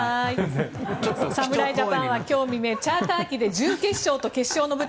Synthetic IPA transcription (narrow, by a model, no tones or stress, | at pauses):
i | samɯ̟ɾaid͡ʑapãɰ̃βakʲo̞ːmʲime̞t͡ɕaːt̪aːkʲid̪e̞d͡ʑɨ̃ŋke̞ɕːo̞ːt̪o̞ke̞ɕːo̞ːno̞bɯ̟